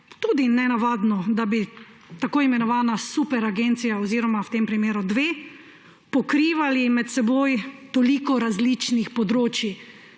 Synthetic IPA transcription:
t̪uːd̪inɛnaʋaːd̪nɔd̪abi | t̪akoːimɛnɔʋaːnasupɛɾaɡent̪sijaɔziɾɔmawt̪empɾimeːɾud̪ʋeː | pɔkɾiːʋalimɛt̪sɛboːjt̪ɔliːkɔɾazlit͡ʃnixpɔd̪ɾoːt͡ʃi

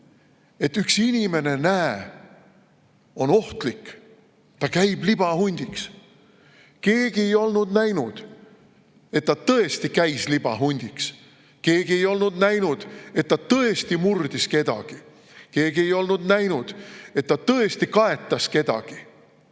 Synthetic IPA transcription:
e̞t̪ːˑyksinʲime̞ne̞næe | o̞no̞ht̪likː | t̪ɑkæjb̥lib̥ɑhunʲd̪̥iks | ke̞ːɡ̥ie̞jo̞lnud̪næjnud̪̥ | e̞t̪ːɑt̪ɤ̞e̞st̪ikæjslib̥ɑɦunʲd̪̥iks | ke̞ːɡ̥ie̞jo̞lnud̪næjnud̪̥e̞t̪ːɑt̪ɤest̪imurd̪iske̞d̪ɑ̰ɡ̥i | ke̞ːɡ̥ie̞jo̞lnud̪næjnud̪̥e̞t̪ːɑt̪ɤe̞st̪ikɑe̞t̪ːˑɑske̞d̪̥ɑ̰ɡ̥i

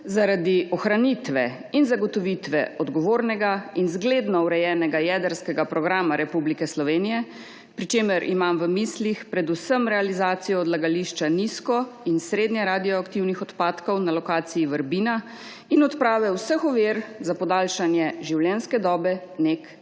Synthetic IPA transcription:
zaɾad̪iʔɔxɾanit̪ʋɛ | inzaɡɔt̪ɔʋit̪ʋɛ̰ɔd̪ɡɔʋoːɾnɛɡainzɡleːd̪nɔwɾɛjɛːnɛɡajɛːd̪əɾskɛɡapɾɔɡɾaːmaɾɛpublikɛslɔʋeːnijɛ | pɾit͡ʃeːməɾʔḭmamʋəmislixpɾɛd̪usəmɾɛalizaːt̪sijɔːd̪laɡaliʃt͡ʃaniskɔinsɾeːd̪nɲɛɾaːd̪ijɔakt̪iwnixɔt̪paːt̪kɔwnalɔkaːt̪sijiʋəɾbina | inɔt̪pɾaːʋɛwsəxɔʋeːɾzapɔd̪alʃanjɛʒiwljɛnskɛd̪ɔːbɛnek

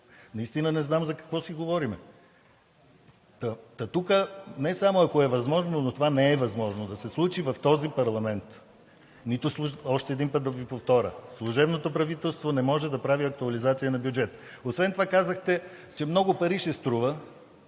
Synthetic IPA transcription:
nɐist̪inənɛznamzɐkɐ̥kvɔsiɡovɔɾimɛ | t̪ət̪ɐt̪ukənɛsamoɐkoɛvɐzmɔʒnonot̪ovanɛːvɐzmɔʒnod̪ɐsɛslˠut͡ʃivɐft̪ɔzipɐɾlˠɐmɛnt̪ | nit̪ʊslˠuɔʃt̪ɛːd̪inpət̪̚d̪ɐvipoft̪ɔɾʲə̰slˠuʒɛbnot̪opɾɐvit̪ɛlˠst̪vonɛmɔʒɛd̪ɐpɾaviɐk̚t̪uɐlizat̪sijənɐbjud͡ʒɛt̪ | osvɛnt̪ovakazəxt̪ɛ | t͡ʃɛmnɔɡopɐɾiʃɛst̪ɾuvə

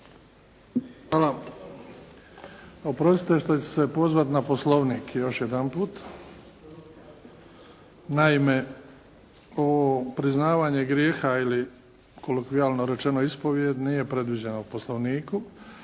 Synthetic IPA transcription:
xʋala | opɾosi̥t̪est̪et͡ɕe̥se̞po̞zʋat̪naposlˠo̞ʋniːkjo̞ʃje̞d̪anpuːt̪ | naime̞ | oopɾiznaːʋaːɲeɡɾjeːxaili | kolokʋiaːlno̞ɾe̞t͡ʃe̞noispo̞ʋjed̪nije̞pɾe̞d̪ʋid͡ʑenauposlˠo̞ʋniːku

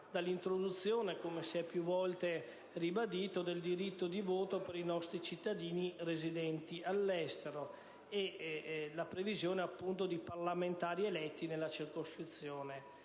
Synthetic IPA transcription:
d̪alːint̪ɾod̪ut̪sːjoːnekomesiɛpːjuvɔlt̪e | ribad̪iːt̪od̪eld̪iɾit̪ːod̪ivoːt̪opeɾinɔst̪ɾit͡ʃit̪ːad̪iːnirezid̪ɛnt̪iʔalːɛst̪eɾo | elapɾevizjoːneapːunt̪od̪iparlament̪aːɾielɛt̪ːinelːat͡ʃirkoskɾit̪sːjoːne

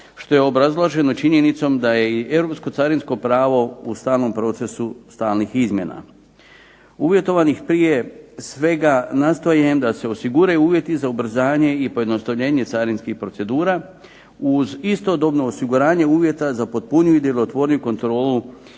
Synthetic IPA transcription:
ʃt̪o̞je̞o̞bɾazlˠaʒe̞no̞t͡ʃiɲe̞nit̪so̞md̪aje̞iʔe̞vɾo̞psko̞t̪saɾinsko̞pɾaːʋo̞ust̪aːlˠno̞mpɾo̞t̪se̞sust̪aːlnixizmʲje̞na̰ | uʋje̞t̪o̞ʋanixpɾije̞sʋe̞ɡanast̪ojemd̪ase̞o̞siɡuɾajuuːʋje̞t̪izaubɾ̩zaːɲe̞ipo̞je̞d̪no̞st̪aʋʎe̞ːɲe̞t̪saɾinskixpɾo̞t̪se̞d̪uːɾa | uzist̪o̞d̪o̞bno̞ːsiɡuɾaːɲe̞uːʋje̞t̪azapo̞t̪̚puɲuid̪elo̞t̪ʋo̞ɾnijuko̞nt̪ɾo̞ːlu

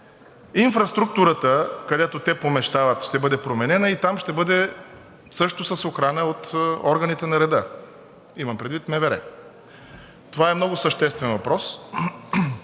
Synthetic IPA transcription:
infɾɐst̪ɾuk̚t̪uɾət̪əkɐd̪ɛt̪ot̪ɛpomɛʃt̪avət̪ʃt̪ɛbɤd̪ɛpɾomɛnɛnəit̪amʃt̪ɛbɤd̪ɛ | sɤʃt̪osəsoxɾanəot̪ɔɾɡənit̪ɛnɐɾɛd̪ə | imɐmpɾɛd̪vit̪mɛvɛɾɛ̰ | t̪ovaɛmnɔɡʊsəʃt̪ɛst̪vɛnvɐpɾɔs

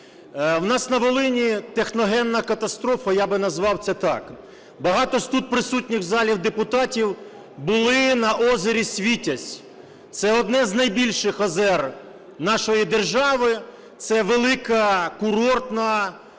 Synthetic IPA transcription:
wnɑsnɐʋɔlˠɪnʲit̪exnɔɦɛnnɐkɐt̪ɐst̪ɾɔfɐjɑbɪnɐzʋɑwt̪sɛt̪ɑk | bɐɦɑt̪ɔst̪ut̪̚pɾɪsutʲnʲɪxzɑlʲiwd̪epʊt̪ɑtʲiw | bʊlˠɪnɐʔɔzeɾʲisʲʋʲitʲɐsʲ | t̪sɛɔd̪nɛznɐjbʲilʲʃɪxɔzɛr | nɑʃɔjid̪e̞rʒɑʋɪ | t̪sɛʋelˠɪkɐkʊɾɔrt̪nɐ

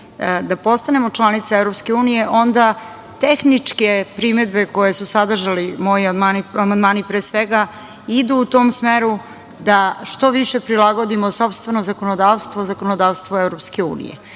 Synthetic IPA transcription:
d̪apo̞st̪ane̞mot͡ʂlˠanit̪saevɾopske̞uːnije̞ʔo̞nd̪a | t̪exnit͡ʂke̞pɾimed̪beko̞jesusad̪r̩ʒalimo̞iamaːniamand̪maːnipɾeːsʋeɡa | id̪uːt̪o̞ːmsmeɾu | d̪aʃt̪o̞ʋiʃepɾilˠaɡo̞d̪imoso̞pst̪vʋe̞nozakonod̪aːʋst̪ʋozakonod̪aːʋst̪ʋoevɾopske̞ṵːnḭjḛ

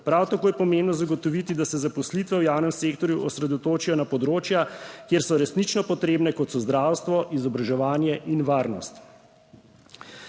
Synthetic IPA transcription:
pɾawt̪akoːjɛpɔmẽmbnɔzaɡɔt̪ɔʋit̪id̪asɛzapɔslit̪ʋɛwjawnɛmseːkt̪ɔɾjuʔɔsɾɛd̪ɔt̪oːt͡ʃijɔnapɔd̪ɾoːt͡ʃjakjeːɾsɔɾɛsnit͡ʃnɔpɔt̪ɾeːbnɛkɔt̪sɔzd̪ɾaːwst̪ʋɔʔizɔbɾaʒɛʋaːnjɛʔinʋaːɾnɔ̰st̪

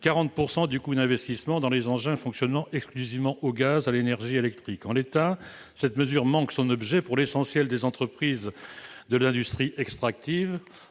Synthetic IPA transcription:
kaʁɑ̃t̪̚puʁsɑ̃d̪ykud̪ɛ̃vɛst̪ismɑ̃d̪ɑ̃lezɑ̃ʒɛ̃fɔ̃ksjɔnmɑ̃ʔɛksklyzivmɑ̃ʔoɡazalenɛʁʒielɛkt̪χikɑ̃let̪a | sɛt̪məzyʁmɑ̃ksɔ̃nɔbʒɛpuʁlesɑ̃sjɛld̪ezɑ̃t̪χəpχizd̪əlɛ̃d̪yst̪χiʔɛkst̪χak̚t̪iv

